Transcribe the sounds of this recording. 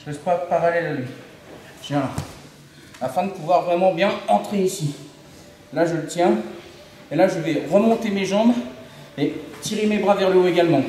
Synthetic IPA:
ʒəlɛspwapaʁalɛlalɥi | t̪jɛ̃ | afɛ̃d̪əpuvwaʁvʁɛmɑ̃bjɛ̃ɑ̃t̪χeisi | laʒələt̪jɛ̃ | elaʒəvɛʁəmɔ̃t̪emeʒɑ̃b | et̪iʁemebʁavɛʁloeɡalmɑ̃

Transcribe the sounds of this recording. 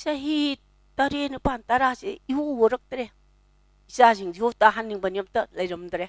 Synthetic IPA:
saɦi | taɾenipantaɾaseiuwoɾɐk̚tɾe | isaziŋziotaɦanːiŋbanijamtɐlajɾɐmd̪ɾe

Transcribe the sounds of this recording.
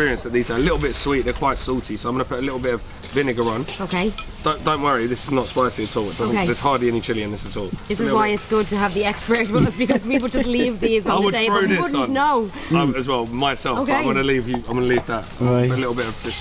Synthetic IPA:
pɪːɹiə̃nsðət̪ʔ̚ðiːzəəlɪtl̩ˠbɪtəv̥swiˑʔðəkʰw̥aɪtsɔlˠtʰisoʊãɪ̃mɡʌnəpʰʊtəlɪtˡl̩ˠbɪtəv̥ | vɪnɪɡəɹʌ̃noʊkʰeɪd̥õʊ̃nd̥ə̃ʊ̃nʔwʌɹiðɪsɪznətspaɪsiətʰɔːlɪt̚d̥ʌz̃nkeɪðəz̥hɑːdˡliɛnit͡ʃʰɪliɪ̃nðɪsətʰɔːlˠðɪsɪwaɪɪtsɡ̥ʊd̚təəvðiɛkspɹɛɹzwəzbɪkʰʌzpiˑpl̩ˠd͡ʒʌtˡliːvðiːzwəədeɪɹʉɪwʊds̩nnoʊ | aɪəzwɛlˠmaɪsɛlˠoʊfɪ̃mɡʌnəliːvjɨãɪ̃mɡʌ̃nəliːvðətãʊtəlɪtl̩ˠbɪtəv̥ɪs

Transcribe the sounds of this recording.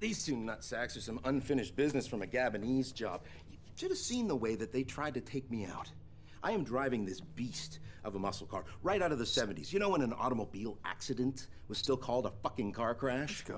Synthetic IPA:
ðeɪz̥tʉ̃nʌtsæksə˞sʌ̃mʌ̃nfɪ̃ñɨʃtb̥ɪznɨsfɹʌ̃mɨɡæbɨnizd͡ʒɑ̰b̥̚ | jɨ | d͡ʒʌɾɨ̥sĩnðəweɪðɨt̪̚ðeɪtʰɹ̥aɪd̚tɨtʰeɪk̚mia̰ʊɾ | ʔaɪɨ̃mdɹaɪvɪ̃ŋðɪsb̥istʔʌvəmʌsl̩ˠkʰɑ̰ɹɹaɪɾaʊɾʌvðɨsɛṽn̩tḭzjɨñoʊwə̃ñɨ̃nɑ̰ɾəmoʊbilˠæ̰ksɨɾɨ̃nt | wʌz̥stɪlˠkʰɔlˠdəfʌkɪ̃ŋkʰɑɹkʰɹ̥æʃ

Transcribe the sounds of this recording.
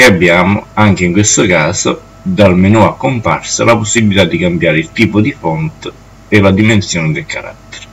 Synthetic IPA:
kɪabːjaːmʊaŋkeiŋkwest̪ʊkaːsʊ | d̪almenuːakːompa̰rsalaposːibilit̪ad̪ːikambjaːɾɪilt̪iːpʊd̪ifɔnt̪ | elad̪imensjɔːnɪd̪ɪlkaɾa̰tt̪ːe̥ɾ

